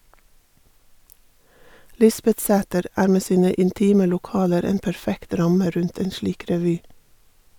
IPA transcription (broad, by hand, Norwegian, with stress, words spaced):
ˈlɪsbɛtˌsæːtəɾ ˈæːɾ ˈmeː ˈsiːnə ɪnˈtiːmə lʊˈkɑːləɾ ˈeːn pæɹˈfɛkt ˈɾɑmə ˈɾʉnt ˈeːn ˈʃliːk ɾɛˈʋyː